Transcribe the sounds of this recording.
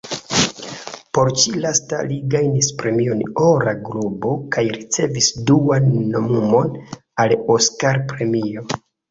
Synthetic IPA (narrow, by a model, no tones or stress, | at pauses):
po̞ɾt͡ʃilasta̰liɡajnispɾe̞mio̞noɾaɡɾubo̞kajɾit͡se̞visduanːomumo̞n | aloskaɾpɾe̞mio̞